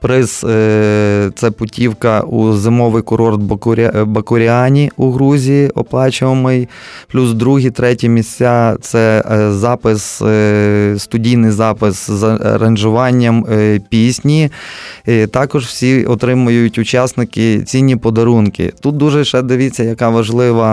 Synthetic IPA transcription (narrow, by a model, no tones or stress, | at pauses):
pɾɪs | t̪sɛpʊtʲiwkɐuzɪmɔʋɪjkʊɾɔrt̪̚bɾʲbɐkʊɾʲɪɑnʲiuɦɾuzʲijiʔɔ̰plˠɑt͡ʃɪʋɐmɪj | plʲuzd̪ɾuɦit̪ɾɛtʲimʲisʲt͡sʲat̪sɛzɑpɪs | st̪ʊdʲijnɪjzɑpɪszɐ̰ɾɐnʲʒʊʋɑnʲːɐmpʲisʲnʲi | t̪ɑkɔʒw̥sʲiɔt̪ɾɪmʊjʊjʊtʲʊt͡ʃɑsnɪkɪt͡sʲinʲːipɔd̪ɐɾunkɪ̰t̪ut̪̚d̪uʒɛʃɛd̪ɪʋʲit͡sʲːɐjɐkɑʋɐʒlˠɪʋɐ